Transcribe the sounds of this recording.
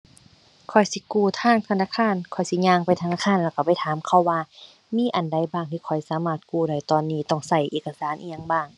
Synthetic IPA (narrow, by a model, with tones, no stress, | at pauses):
kʰɔ˨˩jsi˧˦kuː˧˩t̪ʰaː˧˥˨ŋt̪ʰa˧naː˧˥˨kʰaː˧˥˨nkʰɔ˨˩jsi˧˦ɲaː˧˨ŋpa˧˨jt̪ʰa˧naː˧˥˩kʰaː˧˥˨nlɛ˧˩wka˧˩pa˧˨jt̪ʰaː˨˦mkʰa˧˩wːaː˧ | miː˧˥˨ʔa˨nda˧˩˨jbaː˧˩ŋt̪ʰi˧kʰɔ˨˩jsaː˨˦maː˧˩t̪̚kuː˧˩da˧˩jt̪ɔː˧˨nːiː˧˩t̪ɔ˧˩ŋsa˧˩jʔeː˧˩ka˧saː˨˦nʔḭ˧a˧˨ŋbaː˧˩ŋ